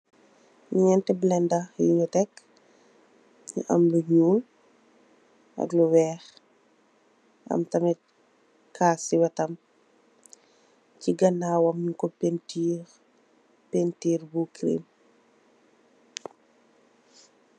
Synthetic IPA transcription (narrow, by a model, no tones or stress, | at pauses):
ɲiɲɛntɛblɛndɐjiɲutɛk | ɲṵʔɐ̰mluɲuːl | ɐ̰kluwɛːx | ɐ̰mtɐmɛ | kʰaːsiwɐtɐm | ciɡɐnaːwɐmɲikɔpɛntiː | pentiːrbukɾḭːm